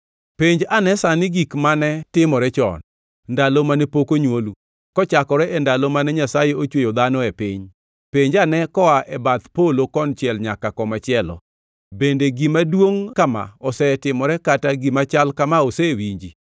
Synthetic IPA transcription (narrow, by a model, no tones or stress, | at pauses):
peɲd͡ʒanɛsanɪɡikmanɛtɪmɔɾɛt͡ʃɔ̰n | ndalomanɛpokoɲwolu | kɔt͡ʃakɔɾɛʔɛndalomanɛɲasajeot͡ʃwojod̪anɔepɪɲ | peɲd͡ʒanɛkɔwaʔɛbat̪polokɔnt͡ʃjɛlɲakakɔmat͡ʃɪɛlɔ̰ | bendeɡimadwoŋkama̰ɔsɛtɪmɔɾɛkataɡimat͡ʃalkamaosɛwiɲd͡ʒi